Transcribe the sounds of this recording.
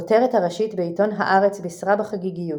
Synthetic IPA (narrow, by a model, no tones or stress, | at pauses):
oteʁethaʁaʃitbeito̞nɦa̰ʔaʁet͡sbisʁabaχaɡiɡiju